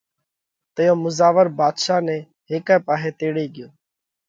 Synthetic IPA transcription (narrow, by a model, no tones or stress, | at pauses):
t̪əjõːmʊzaːʋəɾbaːd̪ʃaːnɛ̃ː | ɦeːkɛ̃ːpaːɦeːt̪eːɽeːɠɪjõː